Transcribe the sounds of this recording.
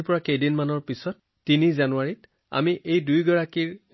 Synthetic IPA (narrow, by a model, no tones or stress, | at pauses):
pɔɹakejdinmanɔɹpisɔtːinizanuaɹit | a̰miʔejdujɡɔɹakiɹ